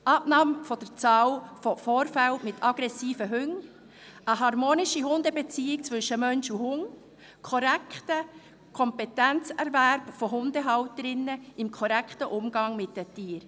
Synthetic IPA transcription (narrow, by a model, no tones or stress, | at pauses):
ʔɑbnɑːmfɔd̥əɾt͡sɑːlfɔfoːɾfæltmɪtʰɑɡ̥ɾɛsiːfəɦʏŋ | əɦɑɾmoːnɪʃiɦʊndəbet͡siːɪk̚t͡svʏʃːəmœnʃuɦʊŋ | kʰɔɾæktə | kʰɔmpɛtænt͡sɛɾvæɾpfɔɦʊndəɦɑwtəɾɪnːəɪmkʰɔɾækχtəʔʊmɡ̥ɑŋmɪtdətiːəɾ